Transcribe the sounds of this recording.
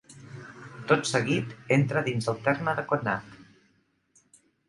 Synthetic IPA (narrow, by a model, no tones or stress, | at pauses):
t̪ot̪səɣit̪ent̪ɾəðinzəlˠt̪ɛrməðəkonːat̪